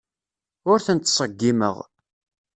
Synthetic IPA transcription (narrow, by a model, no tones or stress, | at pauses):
ʊɾθənt̪ːsˤəɡːimə̰ʁ